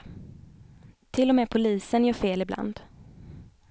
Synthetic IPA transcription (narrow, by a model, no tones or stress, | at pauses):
t̪ʰɪlːɔmɛːpʰʊliːsənjœːfeːlɪbla̰nd̪